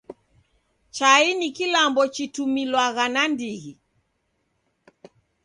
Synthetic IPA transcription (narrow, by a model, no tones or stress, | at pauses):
t͡ʃainikilambɔt͡ʃitumilwaɣanandiɣi